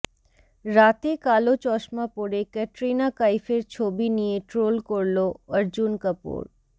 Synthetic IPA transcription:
ɾat̪ekalot͡ɕɔʃmapoɾekɛʈɾinakajfeɾt͡ɕʰobinijeʈɾolkoɾloəɾd͡ʑunkəpṵɾ

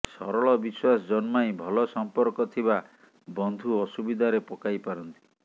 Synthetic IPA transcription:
sɔɾɔɭɔbiswasd͡ʒɔnmajbʱɔlɔsɔmpɔɾkɔt̪ʰiba | bɔnd̪ʱuɔsubid̪ʱaɾepɔkajpaɾɔnt̪i̥

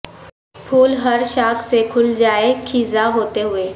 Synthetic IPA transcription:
pʰuːlɦəɾʃaːkʰsekʰʊld͡ʒaːekʰizaɦoːt̪eɦʊeː

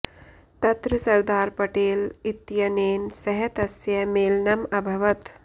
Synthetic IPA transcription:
t̪ɐt̪ɾɐsɐɾd̪aːɾpɐʈeːlit̪jɐneːnsɐɦɐt̪ɐsjɐmeːlnɐmɐbʱɐʋɐt̪

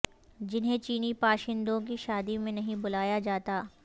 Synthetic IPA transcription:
d͡ʒɪnɦẽt͡ʃiːnipaːʃɪ̃nd̪õk̬iʃaːd̪imẽnɐɦĩbʊlaːjad͡ʒaːt̪aː

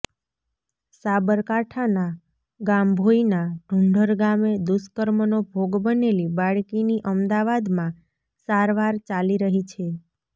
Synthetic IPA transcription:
sabəɾkaʈʰana | ɡambʱoinaɖʱuɳɖʱəɾɡamed̪uskəɾmnobʱoɡbənelibaɭkiniʔəmd̪aʋad̪mã | saɾʋaɾt͡ʃaliɾəɦit͡ʃʰe

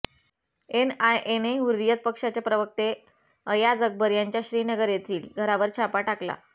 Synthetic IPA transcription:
enajʔeneuɾːijət̪̚pəkʂat͡ɕjapɾəʋək̚t̪e | əjad͡zək̚bəɾjaɲt͡ɕjaɕɾiːnəɡəɾjet̪ʰiːlɡʱəɾaʋəɾt͡ɕʰapaʈakla̰

